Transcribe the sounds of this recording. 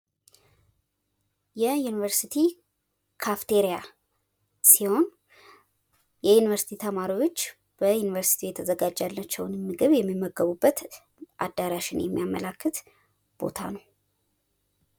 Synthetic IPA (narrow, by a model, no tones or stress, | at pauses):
jɛjunivəɾsit̪ʰi | kʰaft̪ʰeɾija | siho̞n | jɛjunivəɾsi̥t̪ʰit̪ʰəmaɾiwo̞t͡ʃː | b̥əjunivəɾsi̥t̪ʰijɛt̪ʰːəzəɡad͡ʒːalːat͡ʃːɛwnmːɨɡɨβjɛmːimːəɡəβubːət̪ | ʔa̰d̪ːaɾaʃɪnjɛmːijamələkːɨt̪ | b̥o̞̰t̪ʰa̰nəw